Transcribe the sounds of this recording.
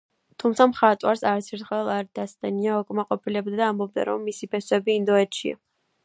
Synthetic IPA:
t̪ʰumt̪sʰamχat̪ʼwaɾsaɾsʰɛɾt̪χwɛlˠaɾd̪̥ast̪ʼɛniaɔkʼmaqʼɔpʰilɛbd̪ad̪aːmbɔb̚d̪a̰ɾɔmːisipʰɛswɛbiːnd̪ɔɛt̪ʃḭa̰

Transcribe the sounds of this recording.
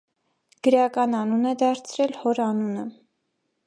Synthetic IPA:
ɡ̥əɾɑkɑnɑnunɛd̪ɑɾt͡sʰɾɛlhɔɾɑnunə

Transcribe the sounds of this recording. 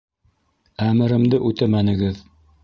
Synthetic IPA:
æmɘ̆ɾɘ̆md̪ɘʔʉt̪æmænɘ̆ɡɘð

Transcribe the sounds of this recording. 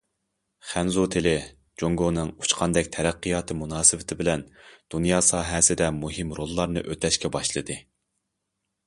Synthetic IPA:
χænzut̪ʰɪlɪ | d͡ʒoŋɡonɨŋut͡ʃqʰɑnd̪ɛkʲt̪ʰɛɾæqːijɑːt̪ʰɨmunɑːsɨwɪt̪ʰɪbɪlɛnd̪̥unjɑːsɑːɦɛsɪd̪ɛmuɦɪmɾolˠːɑɾnɨʔøt̪ʰɛʃkʲɛbɑʃlˠɨd̪ɨ

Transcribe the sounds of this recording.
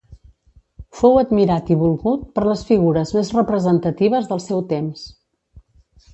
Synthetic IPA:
fowəd̪miɾat̪iβulˠɣut̪̚pəɾləsfiɣuɾəzmezrəpɾəzənt̪ət̪iβ̞əzðəlˠsɛwt̪ems

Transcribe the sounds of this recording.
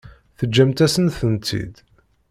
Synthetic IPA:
θəd͡ʒːæmt̪æsənθənt̪ḭd̪

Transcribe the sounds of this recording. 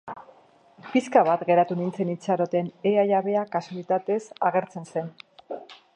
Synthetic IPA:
piskaβ̞at̪ɡe̞ɾat̪unint͡se̞nit͡saɾo̞t̪e̞neajaβe̞akasulit̪at̪e̞saɣe̞ɾt͡se̞nse̞n

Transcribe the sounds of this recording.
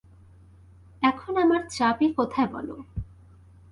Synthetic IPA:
ɛkʰonamaɾt͡ɕapekɔt̪ʰaebɔ̰lo̰

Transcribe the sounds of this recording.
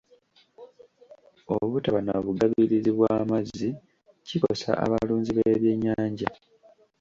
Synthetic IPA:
oβutaβanaβuɡaβiɾiziβwaːmazi | cikosa̰ʔa̰βaluːɲziβeːβje̞ɲːaːɲɟa

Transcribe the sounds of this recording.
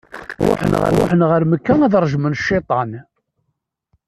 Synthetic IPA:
ħnʁə̰ɾwa̰ħənʁəɾməkːænæðɾˤʒmənʃːɪt̪ˤɑn

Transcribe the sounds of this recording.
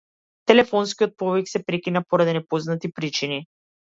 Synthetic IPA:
t̪ɛlɛfɔnskiɔt̪̚pɔviksɛpɾɛkinapoɾad̪inɛpɔznat̪ipɾit͡ʃini

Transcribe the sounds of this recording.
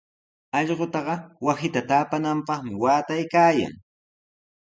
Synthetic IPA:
ɑʎɢot̪ɑɢɑwasɪt̪at̪aːpanampɑχmɪwaːt̪ajkaːja̰ŋ

